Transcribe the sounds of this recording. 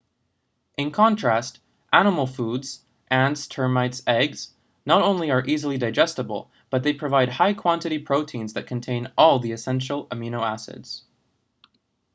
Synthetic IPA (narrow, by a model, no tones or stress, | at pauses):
ʔɨ̃nkʰɑ̃ntʰɹ̥æst | ʔænəml̩ˠfudz̥ | ʔæ̃nstʰɜ˞maɪtsɛɡz̥ | nəɾõʊ̃nliə˞ʔizl̩ˠidaɪd͡ʒɛstəbl̩ˠ | b̥ʌt̪̚ðeɪpʰɹ̥ɨvaɪd̚haɪkʰw̥ɑ̃ntɨɾipʰɹ̥oʊtʰĩnzðɨt̚kʰn̩tʰẽɪ̃nʔɔlˠðiɨsɛ̃nʃl̩ˠəmjʉñoʊæsɨ̰dz̥